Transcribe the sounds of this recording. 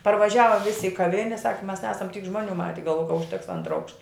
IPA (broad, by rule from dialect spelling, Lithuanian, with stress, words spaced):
pɐrʋɐˈʒʲæːʋɐ ˈʋʲɪsʲɪ ɪ kɐˈʋʲɪnʲɛ sɐk mʲɛs ˈnʲæːsɐm tʲiːk ˈʒmuɔˌnʲuː ˈmɑːtʲɛ ɡɐlˠʋoːjɛ kɐ ʊʃʲˈtʲɛks ˈɐntrɐ ˈɐʊkʃtɐ